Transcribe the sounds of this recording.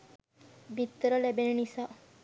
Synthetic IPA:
bit̪ːəɾəlebenenisaː

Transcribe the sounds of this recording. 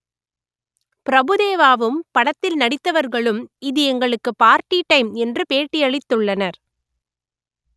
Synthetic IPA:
pɪɾɐbɯðeːʋaːʋɯmpɐɽɐt̪ːɪlnɐɽɪt̪ːɐʋɐɾɣɐɭɯmɪðɯɛŋɡɐɭɯkːɯpaːɾʈiʈːɐɪmɛndrɯpeːʈːɪjɐɭɪt̪ːɯɭːɐnɐɾ

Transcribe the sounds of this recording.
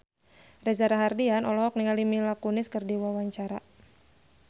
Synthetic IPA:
rɛzaɾaɦardianɔlɔɦɔk̚niŋalimilakunɪskɨrdiwawaɲt͡ʃaɾa̰

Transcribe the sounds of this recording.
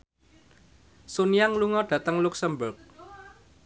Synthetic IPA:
sonijaŋluŋɔɖ̥ä̤t̪əŋluksəmbʊrk̚

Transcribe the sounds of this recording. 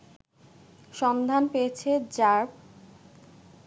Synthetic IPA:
ʃɔnd̪ʱanpeet͡ɕʰed͡ʑaɾb

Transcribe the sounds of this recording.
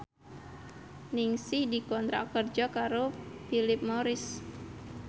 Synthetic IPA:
nɪŋsɪhdikɔnt̪ɾa̰kərd͡ʒɔkaɾofilɪp̚moɾɪs

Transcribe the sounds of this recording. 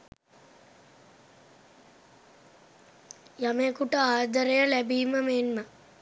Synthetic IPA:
jamekuʈəaːd̪əɾejəlæbiːməmenmə

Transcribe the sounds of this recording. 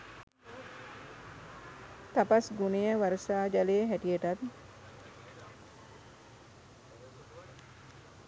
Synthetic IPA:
t̪apasɡunejəʋaɾəsaːd͡ʒalejəɦæʈijəʈat̪

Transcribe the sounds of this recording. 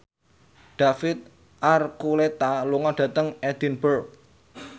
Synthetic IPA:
ɖ̥a̤fɪt̪̚ | ʔarkulet̪aluŋɔɖ̥a̤t̪əŋɛd̪̥i̤nbərk̚

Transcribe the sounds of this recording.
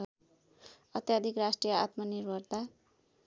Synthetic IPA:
ʌt̪jad̪ʱikrasʈrijʌa̰t̪mʌnirbʱʌrt̪a

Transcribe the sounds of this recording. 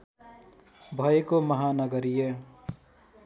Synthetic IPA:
bʱʌekomʌɦanʌɡʌɾije

